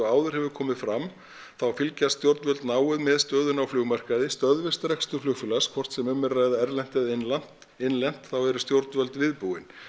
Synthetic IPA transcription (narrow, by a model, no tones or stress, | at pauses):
aːwðʏɾ̥hɛvʏɾkʰɔːmɪðfɾam | θawfɪlcast̪jowɾt̪nvœlt̪naːwʏðmɛðst̪œːðʏnawflʏːɣmar̥kaðɪst̪œðvɪst̪ɾɛkst̪ʏ̥flʏɣfʏlaskʰvɔr̥t̪sɛmʏmːɪɾaːɣðaɛɾlɛn̥t̪ɪðɪnlan̥t̪ | ɪnlɛn̥t̪θawɛɾʏst̪jowɾt̪nvœlt̪vɪðpuwɪn